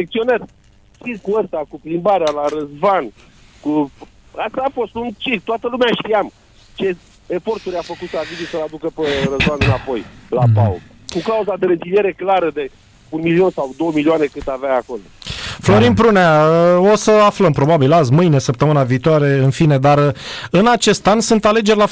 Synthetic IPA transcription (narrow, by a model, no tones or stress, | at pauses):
ek̚t̪sio̞nat̪ʲ | t͡ʃikuəst̪akuplimbaɾealaɾəzvan | ku | ast̪aːfo̞st̪unt͡ʃik̚t̪oat̪əlumeaʃt̪ijam | t͡ʃe̞ | efo̞rt̪uɾʲafəkut̪savizisəlad̪ukəperəzvanɨnapo̞jlapao | kukauzad̪e̞ɾezilije̞ɾe̞klaɾəd̪e̞ | unmilio̞nsawd̪o̞wəmilioane̞kɨnd̪aveaako̞loflo̞ɾinpɾuneaəo̞səafləmpɾo̞babilazmɨjne̞səp̚t̪əmɨnaviːt̪oaɾe̞ɨnfine̞d̪aɾɨnat͡ʃe̞st̪ansunt̪ale̞d͡ʒe̞rʲla